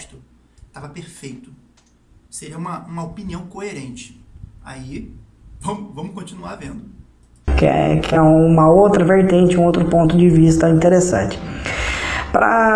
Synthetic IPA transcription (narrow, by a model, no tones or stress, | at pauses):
t̪ʊ | t̪avɐpeɾfejt̪ʊ | seɾiɐũmɐũmɐopiniɐ̃w̃koeɾẽnt͡ʃɪ̥ | ai | vɐ̃mʊvɐ̃mʊkõt͡ʃinuaɾvẽnd̪ʊ | kɛ̰kɪɛũũmɐowt̪ɾɐveɾt̪ẽnt͡ʃɪũowt̪ɾʊpõnt̪ʊd͡ʒɪvist̪ɐĩt̪eɾesɐ̰̃t͡ʃɪ̥ | pɾɐ̰